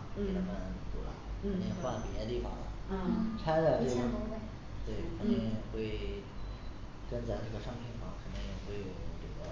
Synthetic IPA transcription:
i˥ə˥˩ma˥n˧˩˧t̪ṵ˥lə̰˧˩kʰt̪i˥˧ŋxwa˥˩n˩pi˨˩t̪a˥t̪i˥˩fɑ̰˨˩ŋbɐ̰˧˦˥ʈ͡ʂʰa˥ɪd̪ə˧ʈ͡ʂe˥˩˥ | t̪we˥˩ɪkʰə˨˩nt̪i˥˧ŋxwe˥˩ɪ | kə˥nt͡sa˥˩ɪʈ͡ʂɤ˥˩ɡə˩ʂɑ˥ŋpʰi˧˥˩nfɑ̰˧˥˩ŋkʰə˨˩nt̪i˥ŋjɛ˨˩xwe˥˩ɪjo˨˩ʊʊʈ͡ʂɤ˥˩ɡə˩

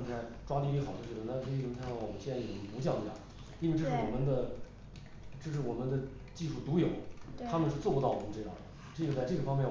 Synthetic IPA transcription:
a˥˩ | ʈ͡ʂwa˥li˥˩˧xɑ˨˩ʊt͡ɕo˥˧˩ɻ̩˥˩ə˧˩na˥˧˩a˥˩wɔ˨mə˦˥ɕɛ˥nt͡sa˥˩jo˨˩pu˧˥t͡ɕ̬jɑ˥˩ŋi˧˥˩jɑ̰˥˩˦ | i˥n˥we˥˧ʈ͡ʂɤ˥˧˥ʂɻ̩˥˩wɔ˨˩mə˦nd̪ə˧˨ | ʈ͡ʂɤ˥˧ʂ̬ɻ̩˥˩wɔ˨˩mə˦nd̪ə˧ | t͡ɕi˥˧ʂu˥˩t̪u˧˥jo˨˩˦ʊ˥t̪ʰa˥mə˨nʂɻ̩˥˧t͡swɔ˥˩pu˥ɑ˥˩ʊwɔ˨˩mə˦nʈ͡ʂɤ˥˧jɑ̰˥˩d̪ə˩ | ʈ͡ʂ̩˥˧˥jo˥˧˩t͡sa˥˧ɪʈ͡ʂɤ˥˩ɡə˩fɑ˥ŋmjɛ˥˩

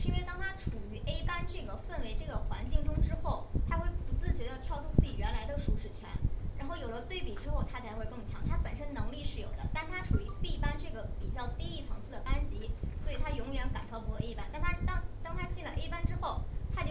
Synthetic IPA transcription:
ʂɻ̩˥˧i˥nwe˥˩ɪt̪ɑ˥ŋt̪ʰa˥ʈ͡ʂʰu˨˩y˧˥ʔe˥ɪpa˥nʈ͡ʂɤ˥˩ɡə˩fə˥˩nwe˧˥ɪʈ͡ʂɤ˥˩ɡə˩xwa̰˧˥nt͡ɕi˥˩ŋʈ͡ʂʊ˥ŋʈ͡ʂɻ̩˥xo˥˩ʊt̪ʰa˥xwe˥˩ɪpu˧˥t͡sɹ̩˥˩t͡ɕɥɛ˧˥d̪ə˧t̪ʰjɑ˥˧ʊʈ͡ʂu˥˧t͡sɹ̩˥˩i˨˩ɥɛ˧˥nla˧˥ɪd̪ə˧ʂu˧˥˩ʂɻ̩˥˩t͡ɕʰɥɛ̰˧˥nɻa˧˥nxo˥˩ʊjo˨˩ʊd̪ə˦t̪we˥˩ɪpi˨˩ʈ͡ʂɻ̩˥xo˥˩ʊt̪ʰa˥t͡sʰa˧˥ɪxwe˥˧ɪkɤ˥˩ŋt͡ɕʰjɑ̰˧˥ŋt̪ʰa˥pə˨˩nʂə˥nnɤ˧˥ŋli˥˧ʂɻ̩˥˩jo˨˩ʊd̪ə̰˦t̪a˥˩nt̪ʰa˥ʈ͡ʂʰu˨˩y˧˥pi˥˧pa˥nʈ͡ʂɤ˥˩ɡə˩pi˨˩t͡ɕjɑ˥˧ʊt̪i˥˧i˥˩t͡sʰɤ˧˥ŋsʰɹ̩˥˩d̪ə˩ʔa˥nt͡ɕi˧˥swɔ˧˥i˨˩t̪ʰa˥jʊ˧˥ŋjɥɛ˧˥nka̰˨˩nʈ͡ʂʰɑ˥ʊpu˧˥ɔ˧e˥˧pa˥nt̪a˥˩nt̪ʰa˥t̪ɑ˥ŋt̪ɑ˥ŋt̪ʰa˥t͡ɕi˥˩nlə˩ʔe˥ɪpa˥nʈ͡ʂɻ̩˥xo˥˩ʊt̪ʰa˥t͡ɕjo˥˧˥

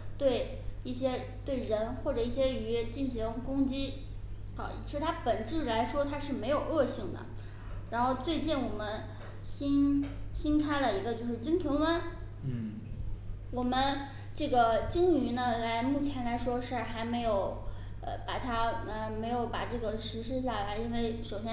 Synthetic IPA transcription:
t̪we˥˧ɪ | i˥˩ɕjɛ˥ | t̪we˥˩ɪɻə˧˥nxwɔ˥˩ʈ͡ʂɤ˨˩i˥˩ɕjɛ˥yy˧˥t͡ɕi˥˩nɕi˧˥ŋkʊ˥ŋt͡ɕḭ˥˧˩ | t͡ɕi˧˥ʂɻ̩˥˧t̪ʰa˥pə˨˩nʈ͡ʂɻ̩˥˩la˧˥ɪʂwɔ˥t̪ʰa˥ʂɻ̩˥˩me˧˥ɪjo˨˩ʊɤ˥˧ɕi˥˩ŋd̪ə̰˩ | ɻa˧˥nxo˥˧ʊt͡swe˥˧ɪt͡ɕi˥˩nwɔ˨˩mə˦n | ɕi˥nɕi˥nkʰa˥ɪlə˨i˧˥ɡə˧t͡ɕjo˥˧ʊʂɻ̩˥˩t͡ɕi˥ŋt̪ʰwə˧˥nwə˥n | wɔ˨˩mə˦n | ʈ͡ʂɤ˥˩ɡə˩t͡ɕi˥ŋy˧˥nə˧la˧˥ɪmu˥˩t͡ɕʰjɛ˧˥nla˧˥ɪʂwɔ˥ʂ̩˥˩˧xa˧˥ɪme˧˥ɪjo˧˥˦ʊ | ə̰˧pa˨˩t̪ʰa˥ə˧me˧˥ɪjo˧˥ʊpa˨˩ʈ͡ʂɤ˥˩ɡə˩ʂɻ̩˧˥ʂ̬ɻ̩˥ɕ̬ja˥˩la˧˥ɪi˥nwe˥˩ɪʂo˨˩ʊɕjɛ˥

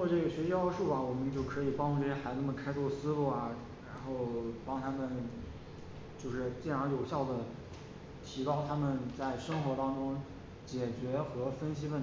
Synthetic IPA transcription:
t͡swɔ˥˧ʈ͡ʂɤ˥˩ɡə˩ɕɥɛ˧˥ɕi˥ɑ˥˧ʊʂu˥˩ɐ˩wɔ˨˩mə˦nt͡ɕjo˥˩ʊkʰɤ˧˥i˨˩pɑ˥ŋʈ͡ʂu˥˧˩ʈ͡ʂɤ˥˩jɛ˥xa˧˥ɪnə˥˩mə˩kʰa˥ɪt͡sʰwɔ˥˩sɹ̩˥lu˥˩ɐ˩ | ɻa˧˥nxo˥˩ʊpɑ˥ŋt̪ʰa˥mə˨n | t͡ɕjo˥˧ʊʂɻ̩˥˧t͡ɕi˥˩nɑ˧˥jo˨˩ʊɕjɑ˥˩ʊd̪ə˩ | t̪ʰi˧˥kɑ˥ʊt̪ʰa˥mə˨nt͡sa˥˩ɪʂɤ˥ŋxwɔ˧˥t̪ɑ˥ŋʈ͡ʂʊ˥ŋ | t͡ɕjɛ˨˩t͡ɕɥɛ˧˥xɤ˧˥fə˥nɕi˥wə˥˩

